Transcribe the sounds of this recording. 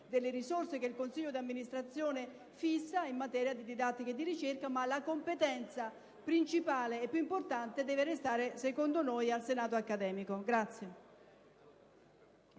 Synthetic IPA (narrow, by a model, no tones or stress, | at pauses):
d̪elːeɾisorsekeilkonsiʎːod̪amːinist̪ɾat̪sːjoːne | fisːaimːat̪ɛːɾjad̪id̪id̪at̪ːiked̪iɾit͡ʃerkamalakompet̪ɛnt̪sa | pɾint͡ʃipaːleɛpːjuimport̪ant̪ed̪ɛːveɾest̪aːɾesekond̪onojalsenaːt̪oakːad̪ɛːmikoɡɾat̪sːje